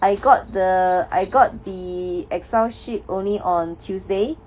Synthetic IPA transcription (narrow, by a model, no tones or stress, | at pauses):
ʔajɡɔt̚dəa̰jɡɔt̚diɛksaʊʃip̚ʔõnliʔɔ̃ntʰjusde